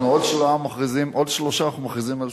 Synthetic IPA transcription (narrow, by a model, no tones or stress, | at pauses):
nuodʃlamaχʁizimʔodʃloʃanaχnumaχʁizimal